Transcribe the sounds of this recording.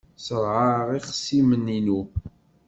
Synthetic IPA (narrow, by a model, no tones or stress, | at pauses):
səɾˤʕaʁiχsimənːinu